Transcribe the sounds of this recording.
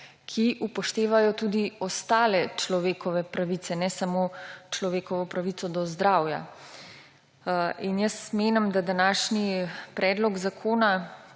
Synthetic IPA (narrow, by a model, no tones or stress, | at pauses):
kʰiʔupɔʃt̪eːʋajɔt̪uːd̪iɔst̪aːlɛt͡ʃlɔʋeːkɔʋɛpɾaʋit̪sɛnɛsamoːt͡ʃlɔʋeːkɔʋɔpɾaʋit̪ɔd̪ɔzd̪ɾaːwja̰ | injəsmeːnɛmd̪ad̪anaːʃnipɾɛːd̪lɔɡzakʰoːna